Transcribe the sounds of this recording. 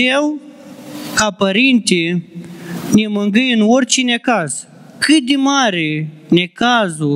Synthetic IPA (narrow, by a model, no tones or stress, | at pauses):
ew | kapɐɾint̪i | nimɐŋɡijnwoɾt͡ɕinekas | kid̪imaːɾinekaːzu